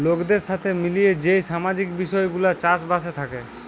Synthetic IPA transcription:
lokd̪eɾʃat̪ʰemilijed͡ʑejʃamad͡ʑikbiʃɔeɡulat͡ɕaʃbaʃet̪ʰake

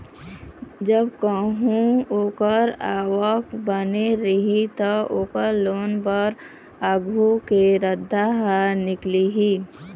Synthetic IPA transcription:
d͡ʒəbkəɦũoːkəɾaːwəkbəneɾɦit̪əoːkəɾloːnbəɾ | əɡʱukeɾəd̪ʱːaɦanɪkliɦiː

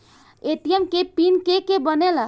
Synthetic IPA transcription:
et̪ijemkepinkekebənelə

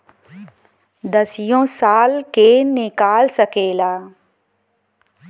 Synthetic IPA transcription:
d̪əsɪjõːsaːlkenɪkaːlsəkeːlaː

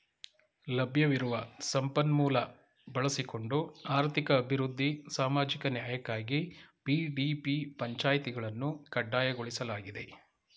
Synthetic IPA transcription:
lɐbʱjɐʋiɾuʋɐsɐmpɐnmuːlɐ | bɐɭɐsiko̞ɳɖuaːɾt̪ʰikɐːbʱiɾud̪ʱːisaːmaːd͡ʒikɐnjaːjɐkːaːɡipiɖipipɐɲt͡ʃaːjt̪iɡɐɭɐnːukɐɖːaːjɐɡoɭisɐlaːɡid̪e̞

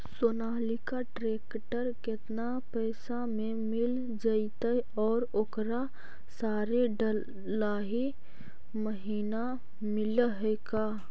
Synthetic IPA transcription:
sonaːlikaʈɾeːk | ʈəɾkɪt̪na | pɛːsamẽmɪl | d͡ʒait̪a | ɔːɾokɾa | saːɾeɖə | laːɦi | məɦiːna | mɪlɦɛkaː

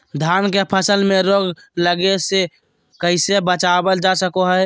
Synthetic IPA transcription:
d̪ʱaːnkepʰəsəlmẽɾoːɡ | ləɡese | kəɪsebət͡ʃabəld͡ʒasəkoɦə

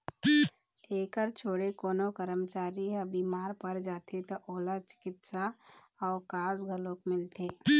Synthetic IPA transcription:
eːkəɾt͡ʃʰoːɽekoːnokəɾəmt͡ʃaːɾiəbiːmaːɾpəɾd͡ʒaːt̪ʰet̪oʔoːlat͡ʃɪ̥kɪt̪sa | ɔːɾkaːsɡʱəlõkmɪlt̪eː

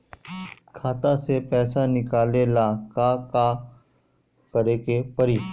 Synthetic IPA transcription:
kʰaːt̪ãsepɛːsanɪkaːleːlãːkaːkaː | kəɾeːkepəɾiː

